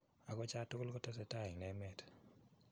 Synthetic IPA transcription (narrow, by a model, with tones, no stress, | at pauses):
a˨kɔ˦t͡ʃa˦tʊ˦klkɔ˦tɛ˦s̬ɛ˨ta˦ɪ˨ŋnɛ˨˦mɛ˦t